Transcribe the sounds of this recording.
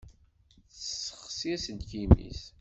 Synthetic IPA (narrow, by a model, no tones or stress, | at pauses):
θssə̥χsiæsənt̪kimḭs